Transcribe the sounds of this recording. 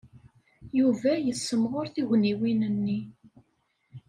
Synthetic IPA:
juvæjəsːəmʁoʊɾθiʝniwinənːi

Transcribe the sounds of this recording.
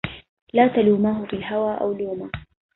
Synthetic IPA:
laːt̪aluːmaːɦʊfiːlɦawaːʔa̰wluːmaː

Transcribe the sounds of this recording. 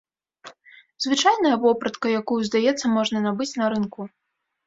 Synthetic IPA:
zvɨt͡ʂajnɐjɐvɔpɾɐt̪kɐjakujuzd̪ajɛt̪sːɐmɔʐnɐnabɨt͡sʲnɐɾɨnku

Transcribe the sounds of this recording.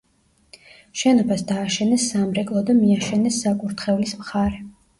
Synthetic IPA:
ʃɛnɔbasd̪aːʃɛnɛsːamɾɛkʼlˠɔd̪amiaʃɛnɛsːakʼuɾt̪ʰχɛuvlismχaɾɛ

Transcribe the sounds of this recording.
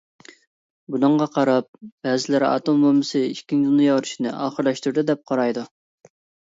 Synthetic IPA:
bunɨɴʁɑqʰɑɾɑp̚b̥ɛzɪlɪɾɑ̰t̪ombomːɨsɨiʃkʲːiŋd̪unɨjɑwɾuʃinɨ̰ʔɑːχəɾlˠɑʃt̪uɾd̪ɨd̪ɛp̚qʰɑɾɑjd̪u

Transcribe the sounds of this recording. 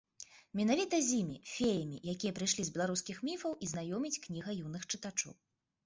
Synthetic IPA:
mʲɛnavʲit̪ɐzʲimʲḭfʲejɐmʲḭjakʲijɐpɾɨjʂlʲizʲbʲɛlˠaɾuskʲixmʲifɐwʔiznajɔmʲit͡sʲknʲiɣɐjunɨxt͡ʂɨt̪at͡ʂɔ̰w

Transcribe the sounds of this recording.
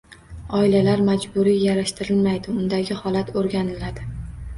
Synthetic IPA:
ɒɪlalaɾmad͡ʒbʊɾijaɾaʃt̪ɪɾɪlmajd̪ɪʊnd̪aɡʲɪhɒlat̪ʰoɾɡʲanɪlad̪ɪ

